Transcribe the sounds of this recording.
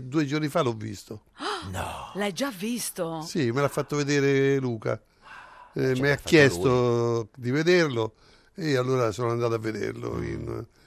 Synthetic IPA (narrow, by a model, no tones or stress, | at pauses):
d̪uːed͡ʒornifalɔvːḭst̪onlajd͡ʒːavːist̪osimelafːat̪ːoved̪eːɾeluːka̰ | mɛakːjɛst̪od̪ived̪eɾlo | ialːoːɾasoːnoand̪aːt̪avːed̪ḛɾlo̰ḭn